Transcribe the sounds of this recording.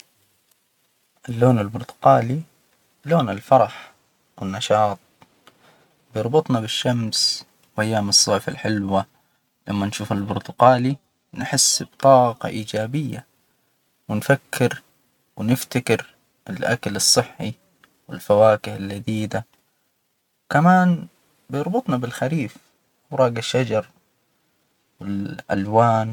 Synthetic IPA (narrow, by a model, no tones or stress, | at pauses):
ʔɪlːoːnalbʊɾt̪ʊ̥qɑːli | loːnɪlfɑɾˤɑħ | wɪnːɑʃɑːt̪̚ˤ | bjɑɾˤbɨt̪ˤnɑbɪʃːams | wʔajːaːmɨsˤːɑʕfa̰lħɪlwa | lamːanʃuːfɪlbʊɾt̪ʊqɑːli | nħɪsːbt̪ˤɑːqɑ̰ʔiːd͡ʒaːbɪjːa | wɪnfakʰːɪɾ | wnɪft̪akɪɾ | ɪlʔa̰kalɨsˤːɨħːi | wɪ̰lfawaːkɪhɪlːad̪iːd̪a | kamaːn | bjɑɾˤbɨt̪ˤnɑbɪlxaɾiːf | wɾˤɑːɡaʃːad͡ʒɑɾˤ | wɪlʔa̰lwaːn